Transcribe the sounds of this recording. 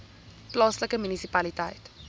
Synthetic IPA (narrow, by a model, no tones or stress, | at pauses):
plɑːsləkəmynisipalitajt